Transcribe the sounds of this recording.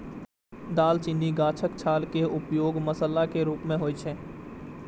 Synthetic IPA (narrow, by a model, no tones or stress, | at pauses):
d̪aːlt͡ʃɪnːiɡaːt͡ʃʰəkt͡ʃʰaːlkeʊpjoːɡməsəlakeɾuːpmẽɦoːit͡ʃʰeː